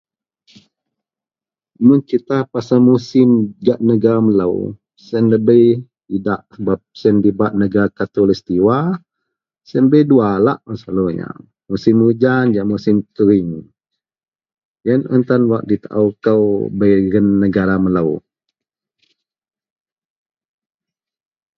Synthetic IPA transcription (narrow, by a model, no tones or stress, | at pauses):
munkit̪apasamusɪmɡaʔnəɡaɾamələ̰w | sənləbəjtidaʔsəbap̚səndibaʔnəɡaɾkat̪ɔlist̪iwa | sənbəjduala̰ʔəsaluɲa̰ | musɪmud͡ʒand͡ʒaʔmusɪmkəɾɪŋ | jənə̰nt̪anwaʔdit̪a̰ʔawkəwbəjɡənːəɡaɾamələw